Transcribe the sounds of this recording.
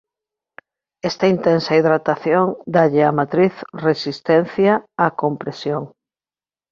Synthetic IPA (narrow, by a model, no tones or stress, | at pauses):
ɛst̪ɐint̪ɛnsɐiðɾat̪aθjoŋd̪aʎɪamat̪ɾiθresist̪ɛn̟θjaːkompɾesjoŋ